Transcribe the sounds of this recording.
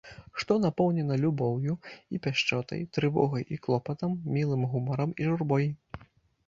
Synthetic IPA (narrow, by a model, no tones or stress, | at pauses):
ʂt̪ɔnapɔwnʲɛnɐlʲubɔwjuipʲaʂt͡ʂɔt̪ɐ̰jt̪ɾɨvɔ̰ɣɐjʔiklˠɔpɐt̪ɐmːʲilˠɨmɣumɐɾɐmiʐurbɔj